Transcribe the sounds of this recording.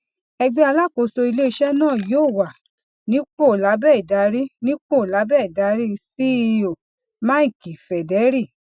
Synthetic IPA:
ɛ˧ɡ͡bɛ˦a˧la˦˨ko˧˨so˧i˧le˦i˧ʃɛ˦nãː˦˨joː˦˨wa˨ | nĩ˦k͡po˦˨la˨˦bɛ˦˨i˨da˨˦ɾi˦nĩ˦k͡po˦˨la˨˦bɛ˦˨i˨da˨˦ɾi˦si˦i˧o˨ | ma˦i˦˨ki˨fɛ˨dɛ˨˦ɾi˦˨

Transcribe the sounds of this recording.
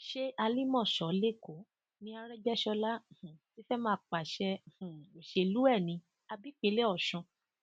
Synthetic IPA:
ʃe˦a˧li˦mɔ̃˦˨ʃɔ˨le˦˨ko˨˦ | nĩ˧a˧ɾɛ˦d͡ʒɛ˦ʃɔ˧la˦˨h̩˨ti˨˦fɛ˦mãː˧˦˧k͡pa˨ʃɛ˧˨h̩˨i˨ʃe˧lu˦ɛ˦˨nĩ˧ | a˧bi˦k͡pe˨˧˦le˦ɔ˦˨ʃɔ̃˧

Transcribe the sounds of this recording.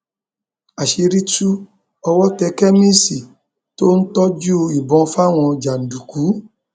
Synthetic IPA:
a˨ʃe˧ɾi˦tu˦ | ɔ˧wɔ˦tɛ˧kɛ˦mẽ˦si˨ | to˦n̩˦tɔ˦d͡ʒu˦˧i˨bɔ̃˨˧fa˦˨w̃ɔ̃˧d͡ʒa˨n̩˨du˨ku˨˦

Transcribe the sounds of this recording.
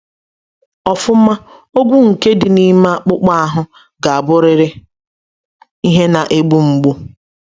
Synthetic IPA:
ɔ˨fʊ˦m̩˦ma˦ | o˦ɡʷu˦ŋ̩˨ke˦dɪ˨ni˦ma˦a˦˨k͡pʊ˦k͡pa˦a˨ɦʊ˦ | ɡa˨a˨bʊ˦ɾɪ˨ɾɪ˦ | i˦ɦe˦na˨ʔe˦ɡ͡bu˦ŋ͡m̩˨ɡ͡bo˦

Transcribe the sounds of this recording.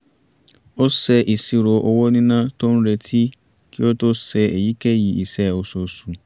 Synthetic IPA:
o˦sɛ˦ʔi˨si˨ɾo˨ʔo˦wo˦nĩ˦nã˦tõ˦n̩˦ɾe˨tʰi˦ | kʰi˦o˦to˦sɛ˨e˨ji˦ke˦ji˨i˨sɛ˨o˨so˨su˨

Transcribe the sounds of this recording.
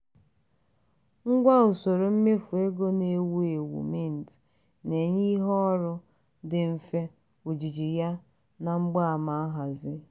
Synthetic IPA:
ŋ̩˦ɡʷa˦o˨so˨ɾo˨m̩˦me˦fu˨e˦ɡo˦ne˨wu˦e˨wṵ˨me˦˨n̩˨t | ne˨ɲi˦ɦɔ˦ɔ˦ɾʊ˦ | dɪ˨m̩˨fe˦ | o˨d͡ʒi˨d͡ʒi˨ja˦ | na˨ŋ͡m̩˦ɡ͡ba˦a˨ma˨a˦ɦa˨zɪ˦

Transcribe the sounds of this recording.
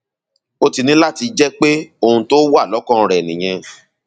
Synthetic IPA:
o˦ti˧nĩ˦la˦ti˧d͡ʒɛ˦k͡pe˦o˧hũ˧to˦wa˦˨lɔ˨˦kɔ̃˦˨˧ɾɛ˨nĩ˨j̃ɛ̃˧

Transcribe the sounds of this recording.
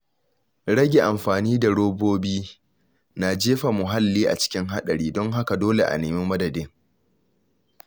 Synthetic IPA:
ɽɐ˦ɡʲe˨ʔa˨mɸaː˨niː˦da˨ɽoː˦boː˦biː˦ | na˨d͡ʒeː˦ɸa˨mʊ˨ɦa˦lːiː˦ʔa̰˨t͡ʃɪ̥˦kʲɪ˦ŋɦa˦ɗɐ˨ɽiː˦dɔ˦ŋɦa˦ka˨doː˦le˨ʔa̰˨neː˨me˦mɐ˦dɐ˨dɪ˦ŋ

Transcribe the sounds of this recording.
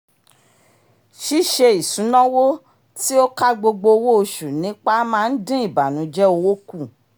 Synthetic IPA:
ʃi˦˨ʃe˧i˨sũ˨˦nɔ̃˦wo˦ | ti˦o˦ka˦ɡ͡bo˧ɡ͡bo˧wo˦o˧ʃu˨nĩ˨˦k͡pa˦mãː˦˧n̩˦dĩ˦i˦˨ba˨nũ˨˦d͡ʒɛ˦o˧wo˦ku˦˨

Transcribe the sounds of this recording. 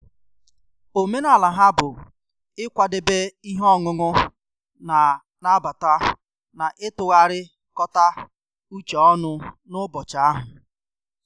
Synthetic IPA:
o˨me˦na˨la˨ɦa˦bʊ˨ | ɪ˦kʷa˨dɪ˨be˦i˦ɦɔ˦ŋʊ˨ŋʊ˦ | na˨ | na˦ba˨ta˦ | na˨ʔɪ˦tʊ˨ɣa˦ɾɪ˦ | kɔ˦ta˦ | u˦t͡ʃɔ˨ɔ˦nʊ˦nʊ˦bɔ˨t͡ʃa˨a˦ɦʊ˨

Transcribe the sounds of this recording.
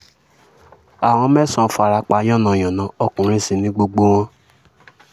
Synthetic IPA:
a˨w̃ɔ̃˧mɛ̃˦˨sɔ̃˧˨fa˨ɾa˧˦k͡pa˧˦jɔ̃˦˨nã˨j̃ɔ̃˨nã˨˦ɔ˧kũ˨ɾ̃ĩ˧˦sĩ˧nĩ˨˦ɡ͡bo˧ɡ͡bo˦w̃ɔ̃˦

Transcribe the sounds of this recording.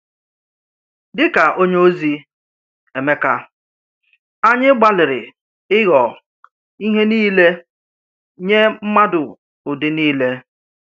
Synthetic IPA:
dɪ˦ka˨ʔo˦ɲ˦o˦zi˦ | e˨me˦ka˦ | a˦ɲɪ˦ɡ͡ba˦lɪ˨ɾɪ˨ | ɪ˦ɣɔ˨ | i˦ɦe˦niː˦le˦ | ɲe˦m̩˦ma˦dʊ˨ | ʊ˨dɪ˦niː˦le˦

